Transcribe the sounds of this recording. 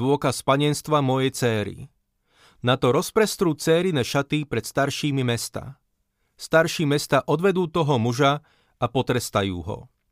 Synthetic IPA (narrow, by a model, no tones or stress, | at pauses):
ʊɔkaspaɲɪɛnst̪ʋamɔjɛjt͡sɛːɾḭ | nat̪ɔɾɔspɾɛst̪ɾuːt͡sɛːɾinɛːʃat̪ipɾɛt̪st̪aɾʃiːmimɛst̪a̰ | st̪aɾʃiːmɛst̪aːʔɔd̪ʋɛd̪uːt̪ɔɦɔmuʒa | apɔt̪ɾɛst̪ajṵːɦɔ̰